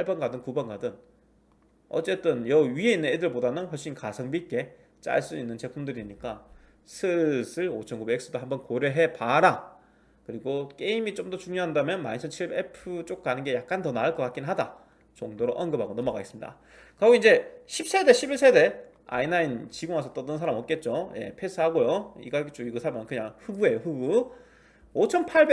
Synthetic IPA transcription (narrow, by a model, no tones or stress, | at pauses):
paɭbʌnɡadɯŋkubʌnɡadɯn | ʌ̰t͡ɕ͈e̞t͈ɯnjʌɥie̞inːɯnedɯɭbodanɯnɸwʌɭɕ͈inkasʰʌŋbik͈e̞ | t͡ɕ͈a̰ɭs͈uinːɯnt͡ɕe̞pʰumdɯɾiɲik͈a | sʰɯsʰɯɭot͡ɕʰʌnkube̞k̚s͈ɯdoɦambʌnkoɾjʌɦe̞paɾa | kɯɾiɡok͈e̞imit͡ɕomdʌt͡ɕuŋɲoɦandamjʌnma̰ninsʰɯnt͡ɕʰiɭbepʰɯt͡ɕ͈ok̚k͈anɯnɡe̞jak̚k͈antʌnaɯɭk͈ʌk͈ak͈inɦada̰ | t͡ɕoŋdoɾoʔʌnɡɯbʱaɡonʌmʌɡais͈ɯmɲida̰ | kaɡoind͡ʑe̞ɕʰip̚s͈e̞de̞ɕʰibiɭs͈ʰe̞de̞ | a̰inaint͡ɕiɡoŋasʰʌt͈ʌdɯnsʰaɾamʌt̚k͈e̞t̚t͡ɕ͈oje̞̰pʰesʰɯɦaɡojoḭɡaɡit͡ɕ͈oɡiɡɯsʰaɾmankɯɲaŋɸuɡue̞joɸuɡu | ot͡ɕʰʌnpʰaɭbe